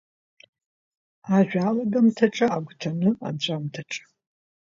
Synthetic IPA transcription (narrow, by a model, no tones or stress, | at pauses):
aʒᶣaːlaɡamtʰaʈ͡ʂʼaːɡʷtʰanɨa̰nt͡ɕʷʼamtʰaʈ͡ʂʼḁ